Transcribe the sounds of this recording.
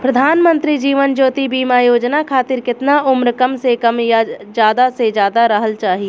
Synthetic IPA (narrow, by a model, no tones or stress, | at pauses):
pɾɐd̪ʱaːnmə̃nt̪ɾid͡ʒiːʋənd͡ʒoːt̪ibiːmajoːd͡ʒnakʰaːt̪ɪɾkɪt̪naʔʊmɾəkəmsekɐmjd͡ʒjaːd̪ased͡ʒjaːd̪aɾəɦəlt͡ʃaːɦie